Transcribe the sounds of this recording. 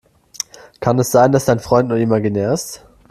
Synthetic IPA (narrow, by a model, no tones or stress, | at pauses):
kʰanɛsz̥aɪndasd̥aɪnfʁ̥ɔʏntnuːɐɪmaɡineːɐst